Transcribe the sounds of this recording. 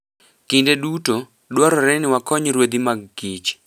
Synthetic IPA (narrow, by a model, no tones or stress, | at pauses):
kɪndeduto | dwaɾɔɾɛnɪwakɔɲɾwed̪imaɡɡit͡ʃ